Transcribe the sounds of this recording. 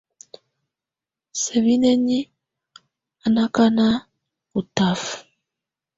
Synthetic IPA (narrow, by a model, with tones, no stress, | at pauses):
sɛ˨vi˦nɛ˦ɲi˦ | a˨na˦ka˦na˦ | u˨ta˨f